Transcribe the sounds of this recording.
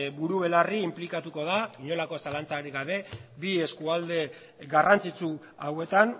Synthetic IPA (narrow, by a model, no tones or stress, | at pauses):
buɾuβe̞lariːmplikat̪uko̞ðakiɲo̞lako̞salant͡saɾiɣaβe̞bie̞skuald̪e̞ | ɣarant͡sit͡su | awe̞t̪an